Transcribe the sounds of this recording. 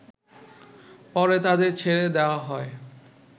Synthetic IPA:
pɔɾet̪ad̪eɾt͡ɕʰeɭed̪eoaɦɔe

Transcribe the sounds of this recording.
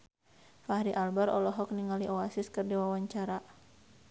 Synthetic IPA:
fahɾiʔalbaɾɔlɔɦɔk̚niŋaliʔɔasɪskərdiwawaɲt͡ʃaɾa

